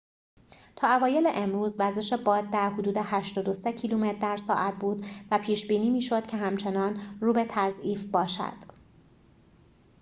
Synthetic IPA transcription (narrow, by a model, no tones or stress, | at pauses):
t̪ʰɒːævɒːje̞leʔemɾuːzvæɾze̞ʃe̞bɒːd̪̚d̪æɾɦod̪uːd̪e̞hæʃt̪ɒːd̪o̞secʰiluːmet̪ʰd̪æɾsɒːʔæt̪̚ʰbuːd̪væpʰiːʃbiːniːmiːʃo̞d̪̥cʰe̞ɦæmt͡ʃʰe̞nɒːnruːbe̞t̪ʰæzʔiːfbɒːʃæ̰d̪̥